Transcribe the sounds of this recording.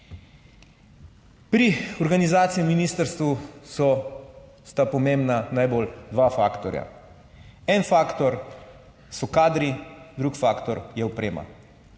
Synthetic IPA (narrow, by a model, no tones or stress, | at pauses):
pɾiɔɾɡanizaːt̪sijɛminiːst̪əɾst̪ʋusɔ | st̪apɔmembnanajbold̪ʋafa̰ːkt̪ɔɾja̰ | ɛnfaːkt̪ɔɾ | sɔkaːd̪ɾid̪ɾukfaːkt̪ɔɾjɛɔpɾeːma̰